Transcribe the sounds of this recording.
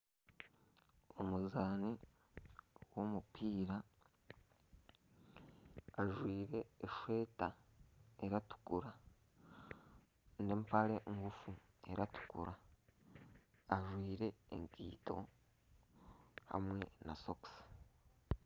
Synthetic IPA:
o̞muzaːni | wo̞mupiːɾa | ʒwiːɾe̞ːʃwe̞ːta | eɾatu̥kuɾa | ndempaɾe̞ʔŋɡufu | e̞ɾatu̥kṵɾa | aʒwiːɾe̞̰ːŋkḭːto̞̰ | ha̰mwe̞na̰soksi̥

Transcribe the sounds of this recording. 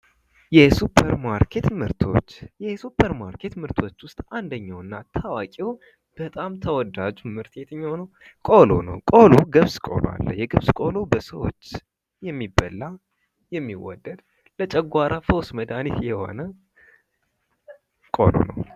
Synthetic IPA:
jɛsupʰːəɾmaɾkʰet̪mɨɾt̪ʰo̞̰t͡ʃːjɛsupʰːəɾmaɾkʰe̞t̪mɨɾt̪ʰo̞t͡ʃːwʊst̪ʼand̪əɲːawɨnːat̪ʰawakʼew | b̥ət̪ʼamt̪ʰəwɔd̪ad͡ʒumɨɾt̪ʰet̪ɨɲːawnəw | kʼo̞lo̞̰nə̰wkʼo̞loɡəβskʼo̰lo̰a̰lːə̰hjɛɡɨβskʼolobəsəwo̰t͡ʃː | jɛmːibːəlːa | jɛmːiwɔ̰d̪ːəd̪ | lət͡ʃʼəɡʷaɾafəwsməd̪anit̪jɛho̞̰nə | kʼo̰lo̰nə̰w

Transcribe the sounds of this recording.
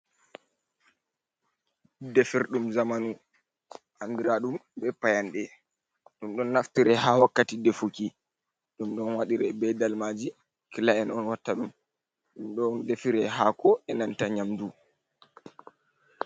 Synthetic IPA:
dɛfiɾɗumzamanu | handiɾaɗumbɛpajanɗɛ | ɗumɗɔnːaftiɾɛɦawakːatidefuki | ɗumɗɔnwaɗiɾɛbɛdalmad͡ʒi | kilaɛnɔnwatːaɗum | ɗumɗɔndefiɾɛɦakɔɛnantaɲamdu

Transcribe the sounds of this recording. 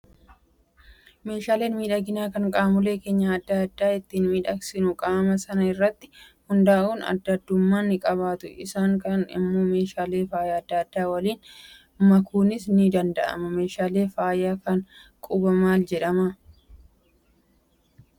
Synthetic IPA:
me̞ːʃaːle̞ːnmiːᶑɐɡɪnaːkɐŋkʼaːmʊleːke̞ːɲːaɐd̪ːɐɐd̪ːaːɪt̪ːinmiːᶑɐksɪnʊkʼaːmɐsɐnɐɪrːɐt̪ːɪ̥hʊnd̪aːʔuːnɐ̰d̪ːɐd̪ːʊmːaːnːɪkʼɐβaːt̪ʊʔɪ̰saːŋkɐnɪ̰mːoːme̞ːʃaːle̞ːfaːjaːɐd̪ːaːɐd̪ːaːwɐliːn | mɐkʰuːnɪsnɪd̪ɐnd̪ɐʔɐ̰mɐme̞ːʃaːle̞ːfaːjaːkɐŋkʼʊbɐmaːld͡ʒɛᶑɐmɐ

